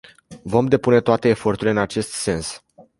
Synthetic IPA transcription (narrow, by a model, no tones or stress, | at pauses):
vo̞md̪e̞pune̞t̪oat̪e̞ːfo̞rt̪uɾile̞ɨnat͡ʃe̞st̪se̞ns